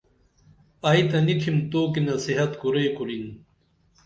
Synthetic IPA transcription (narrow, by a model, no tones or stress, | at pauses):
ait̪ɐniʈʰimt̪oːkinɐsiɦɐt̪kuɾeːkuɾin